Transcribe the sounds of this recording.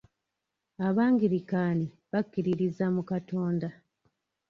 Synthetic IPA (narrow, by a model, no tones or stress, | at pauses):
aβaːŋɡiɾikaːni | βakːiɾiɾizamukato̞ːnda